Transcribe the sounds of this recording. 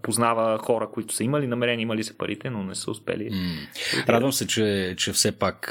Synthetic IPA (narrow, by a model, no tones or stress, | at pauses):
poznavəxɔɾəkʊit̪ʊ̥səiməlinɐmɛɾɛniəiməlisɛ̥pɐɾʔit̪ɛnonɛsə̰ʊspɛ̰lḭ | ɾad̪d̪vəmsɛt͡ʃɛt͡ʃɛfsɛpak